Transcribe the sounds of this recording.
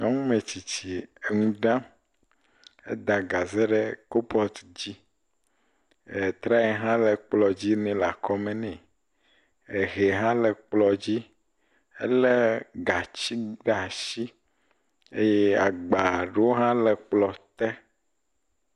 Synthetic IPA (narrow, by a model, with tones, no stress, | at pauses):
ɲɔ˦ŋũ˦mẽ˨t͡ɕi˨t͡ɕi˨e˨ŋũ˦ɖã˦ | ḛ˦d̪a˨ɡa˨zɛ˦ɖɛ˦ko˦pɔ˦t̪d͡ʑi˦ | e˨t̪ɾa˦ɛ˨ɦã˦lɛ˨k͡plɔ˨d͡ʑi˦nɛ̃˨la˨kɔ˦mɛ̃˨nɛ̃˨ | e˨ɣe˨ɦã˦lɛ˨k͡plɔ˨d͡ʑi˦ | ḛ˦le˦ɡa˨t͡ɕi˦ɖa˨ʃi˦ | e˦je˦a˨ɡ͡ba˨ɖe˦wo˦ɦã˦lɛ˨k͡plɔ˨t̪ɛ˦